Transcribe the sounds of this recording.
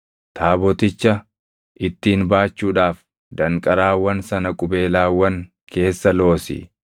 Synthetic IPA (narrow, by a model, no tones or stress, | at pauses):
t̪ʰaːbɔt̪ɪt͡ʃːɐ | ʔɪt̪ːiːnbaːt͡ʃːuːᶑaːf | d̪ɐŋkʼɐɾaːwɐnsɐnɐkʼʊbe̞ːlaːwɐŋ | kʰe̞ːsːɐlo̞ːsɪ̰